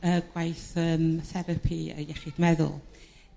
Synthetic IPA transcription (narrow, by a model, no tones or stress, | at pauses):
əɡ̥wajθəːmθɛɾəpʰiə̰jɛχɪdmɛðʊ̰lˠ